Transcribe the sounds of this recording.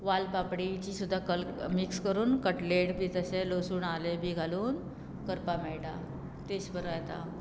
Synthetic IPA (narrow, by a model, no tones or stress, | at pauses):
ʋalpapɽit͡ɕiːsud̪ʱːakəlmikskəɾuːnkəʈleʈbʱiːt̪əselosuːɳalebʱiːɡʱaluːn | kəɾpamɛɭɽa̰ | t̪eɕbəɾəajt̪a̰